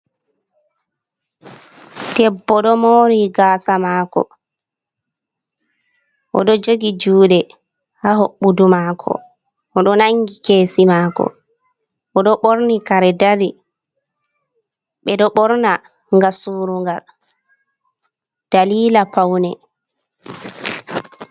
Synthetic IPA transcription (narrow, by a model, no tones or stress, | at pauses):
tɛbːɔɗɔmoɾiɡaːsamaːkɔ̰ | ʔɔ̰ɗɔd͡ʒoɡid͡ʒuːɗɛ | haɦoɓːudumakʰɔ̰ | ʔɔɗɔnaŋɡikeːsimaːkɔ̰ | ʔɔɗɔɓoɾnikaɾɛdaɾi | ɓɛɗɔɓɔɾna | ŋɡasuːɾuŋɡal | d̥aliːlapawnɛ